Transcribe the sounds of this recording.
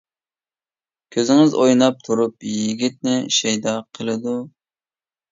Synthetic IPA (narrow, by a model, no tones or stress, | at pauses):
kʲʰøzɪŋɪzojnɑp̚t̪ʰuɾupjiɡʲit̪̚nɪʃɛjd̪ɑqʰəlˠɨd̪u